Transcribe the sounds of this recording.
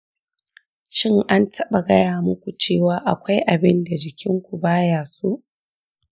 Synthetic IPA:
ʃɪ˦ŋʔa˦ntʰɐ˦ɓa˨ɡɐ˦jaː˨mʊ˦kʷu˨t͡ʃeː˦˨waː˨˦ʔa˨kʷa˦jʔa˨bɪ˦nda˨d͡ʒɪ˨kʲʰɪ˦ŋkʷu˨baː˦jaː˨su˦ʔ

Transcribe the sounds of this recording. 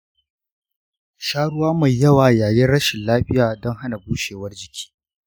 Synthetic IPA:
ʃaː˦ɽʊ˦waː˦ma˨jːɐ˦waː˨jaː˨jɛ˦nɽɐ˦ʃɪ˨nlaː˦ɸɪ˦jaː˨dɔ˦ŋɦa˦na˨buː˦ʃeː˨wɐ˦rd͡ʒɪ˨kʲʰi̥ː˦

